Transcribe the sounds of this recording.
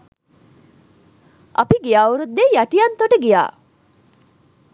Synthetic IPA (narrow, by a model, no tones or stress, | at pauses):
ʔɐpiɡijaːuɾud̪ːejɐʈijɐnt̪oʈəɡija̰ː